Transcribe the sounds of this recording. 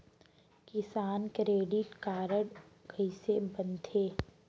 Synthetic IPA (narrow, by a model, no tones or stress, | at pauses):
kɪsaːnkɾeːɖɪʈkaːɾəɽɡʱəisebɐnt̪ʰeː